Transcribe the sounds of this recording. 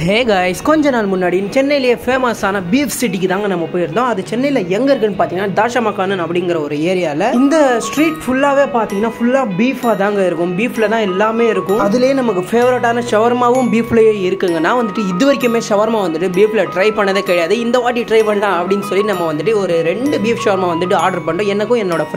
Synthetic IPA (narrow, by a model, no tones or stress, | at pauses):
ɦeːɡaɪskɔɲd͡ʒɔnaːlmʊnːaːɽit͡ʃɛnːɐjɪlɐjefeːmɐsaːnɐbiːfsɪʈ̬ːikːɯt̪aːŋɡɐnɐmːɐpːoːjɪɾɯnd̪õːɐðɐt͡ʃɛnːɐjlɐɛŋɡɐɪɾɯkːɯnːɯpaːɾiːŋɡɐnːaːd̪aːʂɐmaːkːaːnɯnɐpːɐɽɪnŋɡɪɾɐɔɾɯeːɾɪjaːɪlɐɪnd̪ɐsʈɾiːʈfʊlːaːʋeːpaːɾt̪ĩːŋɡɐnːaːfʊlːaːbiːfaːt̪aːŋɡɐɪɾɯkːɯ̃mbiːflɐt̪ãːɛlːaːmeːɪɾɯkːʊ̃ɐðɪlejnɐmɐkːɯfeːʋɐɾʈːaːnɐʂɐʋɐɾmaːʋɯmbiːplɐjeːɪɾɯkːɯŋɡɐnːaːʋɐnd̪ɯʈːɯɪðɯʋɐɾɪkːɯmeːsɐʋɐɾmaːʋɐnd̪ɯʈːɯbiːflɐʈɾɐɪpɐɳːɐðeːkɛːɽɐjaːðɯɪnd̪ɐʋaːʈ̬ːiʈɾɐɪpɐɳɖãːɐpːɐɽɪnd̪ɯsɔlːinɐmːɐʋɐnd̪ɯʈːɯɔɾɯɾɛɳɖɯbiːfsɐʋɐɾmaːʋɐnd̪ɯʈːɯaːɾɖɐɾpɐɳɖõɛnːɐkːʊ̃ɛnːoːɽɐ